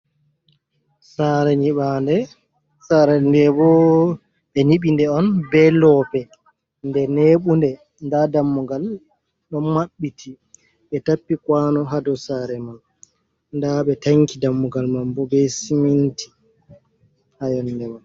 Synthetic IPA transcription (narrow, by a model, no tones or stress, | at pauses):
saːɾɛɲiɓandɛ | saɾɛndɛbɔ | ɓɛɲiɓindɛɔnbɛlɔːpɛ | ndɛneɓundɛ | ndadamːuɡal | ɗɔnmaɓːitʰi | ɓɛtapːikwanɔɦadɔsaɾɛman | ndaɓɛtaŋkidamːuɡalmambɔbɛsimintʰi̥ | hajɔndɛman